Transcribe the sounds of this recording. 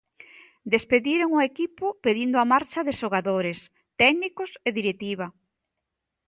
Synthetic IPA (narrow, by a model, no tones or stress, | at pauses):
d̪espeðiɾeŋʊekipʊpeðind̪ʊamaɾt͡ʃɐðɪʃoɣaðoɾes | t̪ɛɡnikʊseðiɾet̪iβɐ